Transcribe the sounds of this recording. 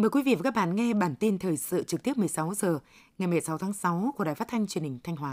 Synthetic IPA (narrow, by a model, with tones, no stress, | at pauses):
məː˨˩jkwi˨˦vḭ˧˨vaː˨˩kaː˦˥k̚ɓa̰ː˧˨nŋɛ˧ɓaː˧˩nt̪i˧nt̪ʰəː˨˩jsɨ̰˧˨t͡ɕɨ˨˩t̪i˦˥əp̚m˨˩əjsa˨˦wzəː˨˩ | ŋa˨˩jm˨˩jsa˨˦wt̪ʰaː˨˦ŋsa˨˦wku˧˩əɗaː˨˩fa˦˥t̚t̪ʰa˧ŋt͡ɕwi˨˩ənhï˨˩ŋ̟t̪ʰa˧ŋ̟waː˨˦